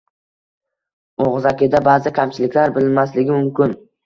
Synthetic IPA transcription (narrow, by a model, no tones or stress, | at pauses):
oʁzakʲɪd̪abaːzɪkʲʰamt͡ʃʰɪlɪkʲlaɾbɪlɪmaslɪɡʲɪmʊmkʲɪn